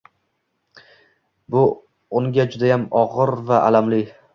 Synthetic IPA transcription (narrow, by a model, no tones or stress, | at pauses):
bʊ | ʊŋɡʲad͡ʒʊd̪ajamɒʁɨɾvaʔalamlɪ